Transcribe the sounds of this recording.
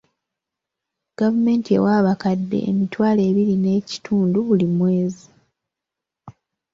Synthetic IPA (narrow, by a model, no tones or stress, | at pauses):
ɡ̥avume̞ːntie̞̰waːβakadːe̞̰ːmitwaːle̞ːβiɾine̞ːci̥tʰuːnduβulimwe̞ːzi